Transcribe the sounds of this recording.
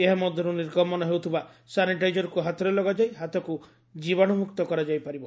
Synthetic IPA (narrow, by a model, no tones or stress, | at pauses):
eɦamɔd̪ʱjɔɾuniɾkɔmɔnɔɦewt̪ʰiba | saniʈajd͡ʒɔɾɔkuɦat̪ɔɾelɔɡad͡ʒajɦat̪ɔku | d͡ʒibɔɽ̃ɔmukt̪ɔkɔɾad͡ʒajpaɾibɔ